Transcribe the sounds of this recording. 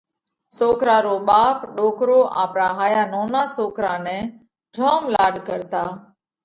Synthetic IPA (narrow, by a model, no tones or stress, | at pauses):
soːkɾaːɾoːɓaːpɗoːkɾoːʔa̰ːpɾaːɦaːjaːnoːnaːsoːkɾaːnẽː | d͡ʒʱoːmlaːɽkəɾt̪aː